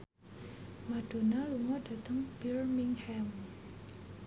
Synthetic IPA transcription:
mad̥o̤naluŋɔdat̪əŋb̥irmiŋhɛm

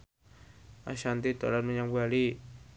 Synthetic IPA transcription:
a̰ʃant̪it̪a̰lat̪məɲaŋbuali

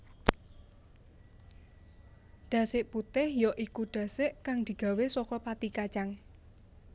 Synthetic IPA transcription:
ɖ̪̥a̤sɪʔput̪ɪhjɔʔikuɖ̥a̤sɪʔkaŋd̪̥i̤ɡ̥a̤wesɔkɔpat̪ikat͡ʃaŋ

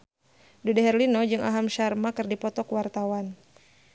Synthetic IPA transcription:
dudaɦɛrlinɔd͡ʒɨŋʔa̰ɦamʃarmakɨrdipɔt̪ɔkwart̪awan

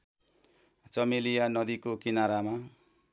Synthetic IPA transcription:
t͡sʌmelijanʌd̪ikokinaɾama

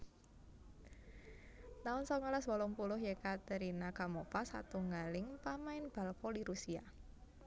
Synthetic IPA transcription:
naʊnsɔŋalaswɔlɔŋpulʊɦjekat̪əɾinakamɔfasa̰t̪uŋɡalɪŋpamaɪnb̥a̤lfɔliɾusia̰

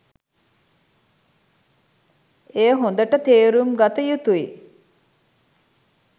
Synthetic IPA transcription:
ejɦond̪əʈət̪eːɾumɡat̪əjut̪ui

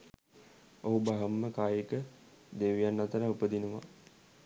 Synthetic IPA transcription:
oɦubaɦəmːəkaːjekə | d̪eʋijanːat̪əɾaupəd̪inəʋa̰

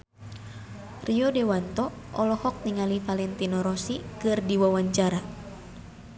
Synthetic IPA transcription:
riɔdɛwant̪ɔʔɔlɔhɔk̚niŋalifalɛnt̪inɔɾɔsikɨrdiwawaɲt͡ʃaɾa

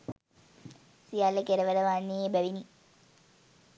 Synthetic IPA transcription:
sijalːəkeɾəʋəɾəʋanːiebæʋini

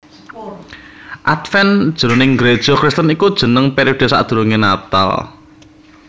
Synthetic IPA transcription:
ʔat̪fɛnd̥ʒ̥ə̤ɾonɪŋɡɾed̥ʒ̥ɔ̤kɾɪst̪ənikud̥ʒ̥ə̤nəŋpeɾiod̥e̤sa̰ʔd̪̥ṳɾoŋenat̪a̰l

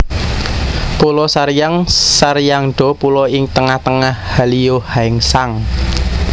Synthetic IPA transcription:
pulɔsaɾjaŋsaɾjaŋɖ̥ɔ̤pulɔɪŋt̪əŋaht̪əŋahhaliohaɪŋsaŋ

